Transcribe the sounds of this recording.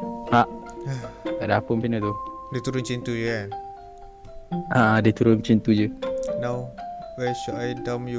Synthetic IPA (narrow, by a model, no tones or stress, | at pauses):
haʔ | kadapəmpinət̪u | det̪uɾʊnt͡ʃint̪ud͡ʒəkan | ʔaadet̪uɾʊnt͡ʃint̪ud͡ʒənawwajʃuʔajdamju